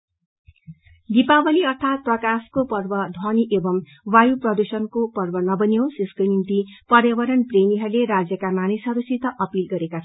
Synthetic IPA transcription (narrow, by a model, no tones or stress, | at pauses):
ɡ̪ipabʌliʌrt̪ʰat̪̚prʌkaskopʌrbʌd̪ʱwʌniʔebʌm | wajuprʌd̪usʌnkopʌrbʌnʌbʌnjowsiskonimt̪ipʌɾjʌbʌɾʌnpremiɦʌrleɾad͡zjʌkamanisɦʌɾusit̪ʌʔʌpilɡʌɾekat͡sʰ